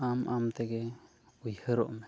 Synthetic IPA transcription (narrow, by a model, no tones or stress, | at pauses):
amʔamt̪ɛɡɛ | ujhəɾɔ̰ʔmɛ